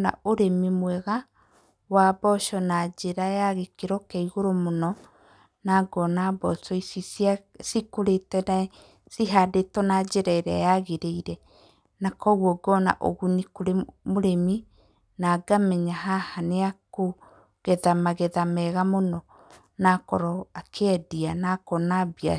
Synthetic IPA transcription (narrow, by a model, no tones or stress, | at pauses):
na̰oɾemimwɛɣa | wabɔʃɔnad͡ʒeɾajaɣekeɾɔkɛiɣoɾomonɔ | naɡɔnabɔsɔisis | sikoɾetɛna | siɦadetɔnad͡ʒeɾaeɾɛ̰jaɣeɾeiɾɛ | nakɔɣwɔɡɔna̰ʔo̰ɣunikoɾemoɾemi | naɡamɛɲaɦahaneako | ɣɛðamaɣɛðamɛɣamonɔ | nakɔɾɔakʰɛdianakɔnabia